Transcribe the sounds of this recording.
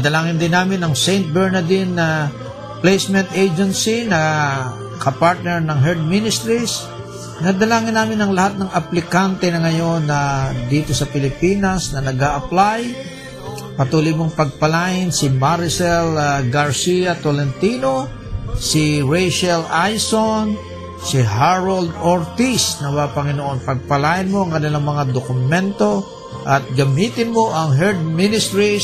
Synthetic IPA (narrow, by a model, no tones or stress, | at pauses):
ɐd̪ɐlaːŋɪnd̪ɪnːaːmɪnɐŋsejnt̪̚bɛɹnɐd̪ɪnɐ | plejsmɛ̃nt̪ʔejd͡ʒɛnsinɐ | kɐpaɹt̪̚nɛɹnɐŋɦɛɹd̪̚minɪst̪ɾis | nɐd̪ɐlaːŋɪnːaːmɪnɐŋlɐhat̪̚nɐŋɐplɪkant̪ɛnɐŋɐjo̞nːɐd̪iːt̪osɐpɪlɪpiːnɐsnɐnɐɡaʔɐplaj | pɐt̪uːlojmoŋpɐɡ̚pɐlaːjɪnsɪmaɾɪsɛlɡɐɹsiat̪olɛnt̪iːno | sɪɹɛjʃɛlajson | sɪɦaɹold̪oɹt̪isnɐmɐapɐŋɪnoʔo̞npɐɡ̚pɐlaːjɪnmoʔɐŋkɐnɪlaŋmɐŋad̪okʊmɛnt̪o̞ | ʔɐt̪̚ɡɐmit̪ɪnmoʔɐŋɦɛɹd̪̚mɪnɪst̪ɾi